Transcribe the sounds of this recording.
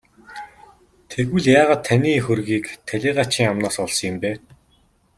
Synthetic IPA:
t̪ʰeɣɘ̆ɮjaːʁaːt̪ʰːaniːxɵrɣiːkt̪ʰæɮʲiːɢat͡ɕiːŋamnɔːsɔɮsɞ̆ŋɪ̆mpeː

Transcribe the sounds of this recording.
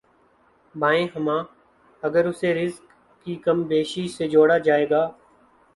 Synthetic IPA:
bãːẽːɦəmãː | əɡəɾʊseːɾɪzkː | iːkəmbeːʃiːseːd͡ʒoːɽaːd͡ʒaːeːɡaː

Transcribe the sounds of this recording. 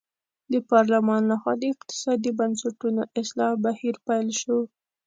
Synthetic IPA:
d̪əpɑɾlamɑnlaxwɑd̪əɪqt̪ɪ̥sɑd̪ibansaʈunoʔɪslɑbahiɾpajlʃo

